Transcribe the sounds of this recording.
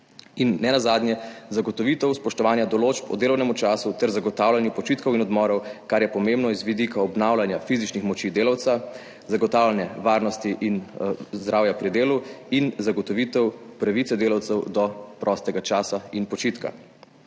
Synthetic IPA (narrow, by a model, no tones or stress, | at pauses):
inːɛnazaːd̪njɛzaɡɔt̪ɔʋit̪ɛwspɔʃt̪ɔʋaːnjad̪ɔloːt͡ʃpɔ̰d̪eːlɔwnɛmut͡ʃaːsut̪ɛɾzaɡɔt̪aːwlanjupɔt͡ʃit̪kɔwinɔd̪mɔɾɔwkaɾjɛpɔmembnɔizʋid̪ikaɔbnawlanjafizit͡ʃnixmɔt͡ʃid̪eːlawt̪sa | zaɡɔt̪aːwlanjɛʋaɾnɔst̪iʔinzd̪ɾaːwjapɾid̪eːluinzaɡɔt̪ɔʋit̪ɛwpɾaʋit̪sɛd̪eːlawt̪sɛwd̪ɔpɾʔɔst̪ɛɡat͡ʃaːsainpɔt͡ʃit̪ka̰